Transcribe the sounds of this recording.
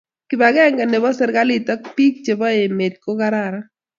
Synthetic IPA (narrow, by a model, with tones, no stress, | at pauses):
kɪ˨ba˨ɡɛ˦ŋɡa˨ne˨bɔ˦sɪ˦ɾɡa˦li˨tɔ˦k̚pi˦k̚t͡ʃe˨bɔ˦e˨me˨t̚ko˦ka˦ɾaɾa˦